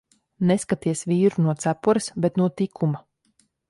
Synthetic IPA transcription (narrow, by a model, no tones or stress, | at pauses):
neskat̪iɛsviːɾunuɔt̪sæpɔɾɨsbɛt̪nuɔt̪ikʰuma